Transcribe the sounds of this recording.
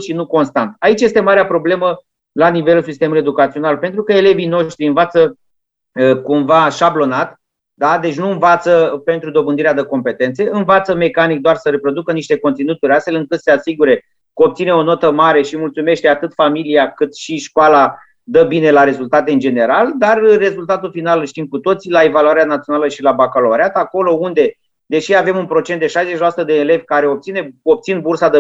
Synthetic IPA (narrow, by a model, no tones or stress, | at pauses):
ʃinuko̞nst̪ant̪ait͡ʃje̞st̪emaɾeapɾo̞ble̞mə | lanive̞lusist̪e̞muluie̞d̪ukat̪sio̞nalpe̞nt̪ɾukəe̞le̞vino̞ʃt̪ɾiɨnvat̪sə | kumvaʃablo̞nat̪ | d̪ad̪e̞t͡ʃʲnuɨnvat̪səpe̞nt̪ɾud̪o̞bɨnd̪iɾead̪əko̞mpe̞t̪e̞nt̪se̞ɨnvat̪səme̞kanik̚d̪oarsəɾepɾo̞d̪ukəniʃt̪e̞kont̪sinut̪uɾʲast̪fe̞lɨŋkɨt̪se̞asiɡuɾe̞ | kəop̚t̪sineo̞no̞t̪əmaɾe̞ʃimult̪sume̞ʃt̪e̞at̪ɨt̪familiakɨt̪ʃiʃkoala | d̪əbine̞laɾe̞zult̪at̪e̞ɨnd͡ʒe̞ne̞ɾald̪arːe̞zult̪at̪ulfinalʃt̪imkut̪o̞t̪silae̞valuaɾeanat̪sijo̞naləʃilabakoloaɾeat̪ako̞lo̞und̪e̞ | d̪e̞ʃiave̞munpɾo̞t͡ʃet̪d̪e̞ʃajzeʃilasut̪əd̪e̞ːle̞vʲkaɾe̞op̚t̪sine̞op̚t̪sinbursad̪ə